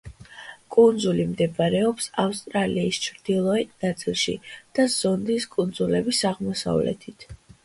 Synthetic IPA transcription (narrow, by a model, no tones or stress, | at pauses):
kʼund̪zulimd̪ɛbaɾɛɔpsafst̪ʼɾaliːst͡ʃʰɾd̪̥ilˠɔɛt̪̚ʰnat̪sʼilˠʃḭd̪̥az̥ɔnd̪iskʼund̪zulɛbisaʁmɔsa̰vlɛ̰t̪ʰit̪ʰ